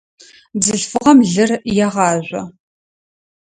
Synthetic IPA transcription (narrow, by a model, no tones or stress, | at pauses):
bzɨɬfɨʁɐmɮɨrjɛʁɑːʑʷɔ̰